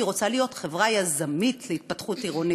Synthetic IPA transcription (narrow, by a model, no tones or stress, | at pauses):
iʁo̞t͡salijo̞tχe̞vʁajazamitleit̚patχutiʁoni